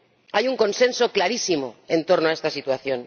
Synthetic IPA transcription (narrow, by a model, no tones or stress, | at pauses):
ajuŋko̞nse̞nso̞klaɾisimo̞̰ent̪o̞ɾnoaest̪asit̪waθjo̞n